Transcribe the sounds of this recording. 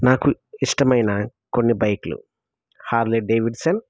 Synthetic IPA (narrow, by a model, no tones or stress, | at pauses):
naːkuiʂʈɐmɐjnɐko̞nːibɐjkulṵ | haːɾliɖeːʋiɖsɐn